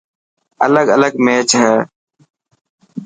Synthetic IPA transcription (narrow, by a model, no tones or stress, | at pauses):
ələɡələɡmeːt͡ʃɦɛ̃ː